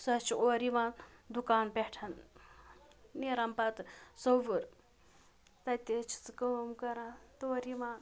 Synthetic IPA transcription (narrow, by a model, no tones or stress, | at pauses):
sɐt͡ʃʰioɾiʋãːnd̪ukaːnpeʈʰɐn | niɾɐmpɐt̪soʋuɾ | t̪ɐt̪ʲet͡ʃʰi̥t͡sɨkɐmkɐɾat̪oːɾiʋãːn